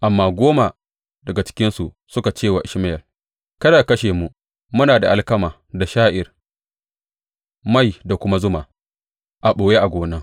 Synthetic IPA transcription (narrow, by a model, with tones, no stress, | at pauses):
ʔa˨mːaː˦ɡʷoː˦ma˨ | dɐ˨ɡa˨t͡ʃɪ̥˦kʲɪ˦nsu˨ʔ | sʊ˦ka˨t͡ʃeː˦˨wa˨ʔɪ˨ʃmɪ˦jɐ˨l | kɐ˦daː˨kɐ˦ʃeː˨mu˦ | mʊ˦naː˨da˨ʔa˦lkɐ˦maː˨ | da˨ʃaː˦ʔɪ˨r | ma˦˨jda˨kʷʊ˦ma˦zʊ˦maː˨ | ʔa˨ɓoː˨je˦ʔa˨ɡʷoː˨nɐ˦ŋ